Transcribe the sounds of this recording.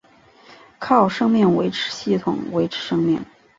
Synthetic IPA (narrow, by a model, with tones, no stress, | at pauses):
kʰɑ˥˩ʊʂɤ˥ŋmi˥˩ŋwe˧˥ɪʈ͡ʂʰɻ̩˧˥ɕi˥˩t̪ʰʊ˨˩˦ŋwe˧˥ɪʈ͡ʂʰɻ̩˧˥ʂɤ˥ŋmi˥˩ŋ